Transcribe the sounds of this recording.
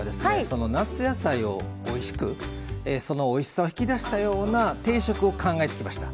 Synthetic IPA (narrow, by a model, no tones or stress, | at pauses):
d̪e̞sɨso̞no̞nat͡sɨjasaio̞ | oiɕi̥kɯ̟ | eso̞no̞ːiɕi̥sao̞çi̥kʲid̪aɕi̥t̪ajo̞ːnat̪e̞ːɕo̞kɯ̟o̞kãŋɡae̞t̪e̞̥kʲimaɕi̥t̪ḁ̰